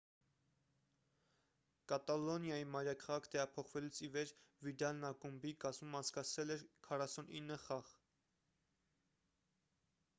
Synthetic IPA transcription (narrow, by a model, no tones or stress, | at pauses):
kɑt̪ɑlɔnjɑjimɑjɾɑkʰɑʁɑkʰt̪ɛʁɑpʰɔχvɛlut͡sʰivɛɾvid̪ɑlnɑkumbikɑzmumɑnt͡sʰkɑt͡sʰvɛlɛɾkʰɑrɑsuninːəχɑʁ